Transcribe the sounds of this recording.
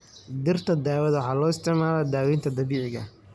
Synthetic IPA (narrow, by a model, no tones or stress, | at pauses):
d̪ɪrt̪ʰɐd̪aːwɐðwɑħɑːlɔːɪst̪ʰɪʕmaːlɛd̪aːwɛnt̪ʰɐd̪ɐβiːʕɪɣɐ̰